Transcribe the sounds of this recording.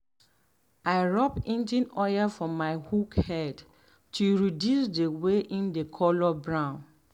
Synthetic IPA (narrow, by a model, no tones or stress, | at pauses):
aɪɹɔpĩnd͡ʒĩnɔjəfɹɔ̃mːaɪhukhɛd | tʰuɹidjusdəweʔĩndəkʰɔlɔbɹãʊ̃n